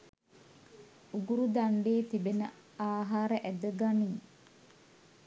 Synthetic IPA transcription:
uɡuɾud̪aɳɖeːt̪ibenə̰ | aːɦaːɾəʔæd̪əɡaniː

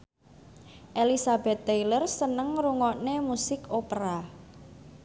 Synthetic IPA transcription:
ʔelisabɛ̤t̪ːejlərsənəŋɾuŋɔnemusɪkopɾa

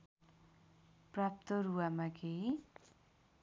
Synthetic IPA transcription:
prap̚t̪ʌɾuamakeɦi

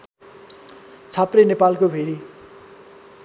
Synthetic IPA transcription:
t͡sʰaprenepalkobʱeɾi

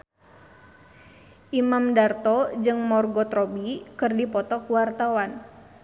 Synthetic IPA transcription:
ʔimamdart̪ɔd͡ʒɨŋmɔrɡɔt̪ɾɔbikɨrdipɔt̪ɔkuwart̪awan

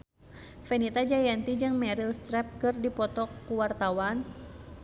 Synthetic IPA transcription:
fɛnit̪ad͡ʒajant̪id͡ʒɨŋmɛɾilst̪ɾɛp̚kɨrdipɔt̪ɔkːuwart̪awan

